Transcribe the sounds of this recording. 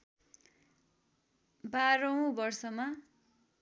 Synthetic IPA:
baɾʌw̃bʌrsʌma

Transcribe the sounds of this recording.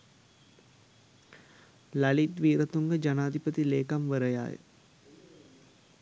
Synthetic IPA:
lalit̪ʋiːɾət̪uŋɡəd͡ʒanaːd̪ʱipət̪ileːkamʋəɾəja̰ːjə̰

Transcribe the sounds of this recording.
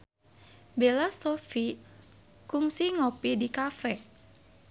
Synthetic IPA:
belasofi | kuŋsiŋopidikafɛ

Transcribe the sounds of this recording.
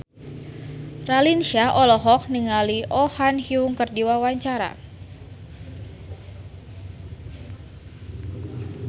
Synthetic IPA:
ralinʃaʔɔlɔɦɔk̚niŋaliʔɔhanhiuŋkərdiwawaɲt͡ʃaɾa̰

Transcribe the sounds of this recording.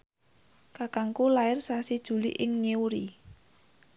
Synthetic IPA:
kakaŋkulaɪrsasid̥ʒ̥ṳlḭʔɪŋɲeuɾi

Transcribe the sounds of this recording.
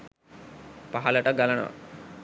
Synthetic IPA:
paɦɐləʈəɡalɐnə̰ʋa̰

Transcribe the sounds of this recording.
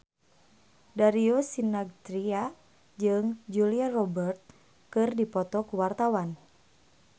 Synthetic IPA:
daɾiosinaɡ̚t̪ɾia | d͡ʒɨŋd͡ʒuliarɔbərt̪̚ | kɨrdipɔt̪ɔkuwart̪awan

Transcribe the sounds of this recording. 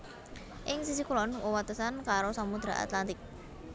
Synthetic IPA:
ʔɪŋsis̬ikulɔnwəwat̪əsankaɾosamud̪̥ɾa̰ʔa̰t̪lant̪ɪk̚

